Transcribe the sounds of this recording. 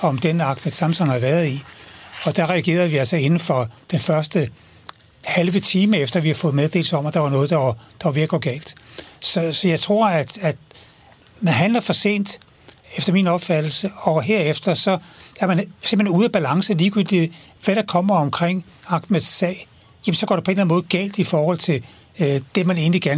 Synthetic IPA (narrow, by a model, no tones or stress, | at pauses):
ɒ̽md̥enɑ̈ɡ̥med̥sɑ̈msɒnhɑʋæːɐðˠiɒ̽d̥ɑ̈ʁɛæɡ̥e̝̰ːɐð̞̩ˠʋiælsɒe̝nn̩fɒ̽d̥enfɶɐsd̥ə | hælʋət͡sʰiːməefd̥ɐʋihɑ̈fɔ̽ːð̩ˠmeð̞ˠd̥e̝̰ːlsɒ̽mɐd̥ɑ̈ʋɑ̈nɔ̽ːð̞̩ˠd̥ɑd̥ɑ̈ʋʋiɐɡ̥ɒɡ̥ɛ̰ːld̥sɒ̽sɒ̽jɑ̈ɪt͡sʰʁo̝ɐ̰æd̥æd̥ | nɦænæɐfɒ̽se̝̰ːnd̥ | efd̥ɐminɒ̽b̥fæd̥l̩səɒ̽ɦe̝ɐ̰efd̥ɐsɒ̽æɐmænsemb̥he̝nuːðˠæb̥ælɑ̈ŋsəliːɡ̥yl̰d̥iʋæɾɑ̈kʰɒ̽m̰ɐɒ̽mkʰʁeŋ̰ | ɑ̈ɡ̥me̥sːɛ̰ːɪ | jæmənsɒ̽ɡ̥ɒ̰ɾ̥epʰɒ̽e̝nlænmɔ̽ːð̩ˠɡ̥ɛ̰ːld̥ifɒːhɒ̽l̰t͡sʰe̝l | d̥e̝mæne̝ːn̩liɡ̥æɐn